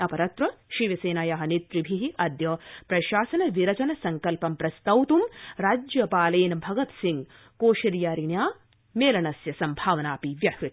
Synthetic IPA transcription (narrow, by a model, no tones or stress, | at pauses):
ɐpɐɾɐt̪ɾɐʃiʋɐseːnaːjaːɦɐ̆nit̪ɾibʱiɦiʔɐd̪jɐːpɾɐʃaːsɐnɐʋiɾɐt͡ʃɐnɐsɐŋkɐlpɐmpɾɐst̪ɐwt̪umɾaːd͡ʒjɐpaːleːnbʱɐɡɐt̪siŋ | koːʃɐɾjaːɾiɳjaː | meːlɐnɐsjɐsɐmbʱaːʋɐnaːpiʋjɐhɾu